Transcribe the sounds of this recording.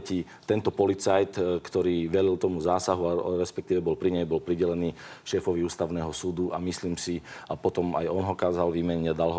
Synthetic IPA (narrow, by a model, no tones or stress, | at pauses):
ci | t̪ɛnt̪ɔpɔlit͡sajt̪kt̪ɔɾiːʋɛɾilt̪ɔmuzaːsaɦuaɾɛspɛkt̪iːʋɛbɔlpɾiɲɛjbɔlpɾiɟɛlɛniːʃɛfɔʋiuːst̪aʊnɛːɦɔsuːd̪uʔamisliːmsiapɔt̪ɔma̰jɔnɦɔkaːzalʋiːmɛɲad̪alɦɔ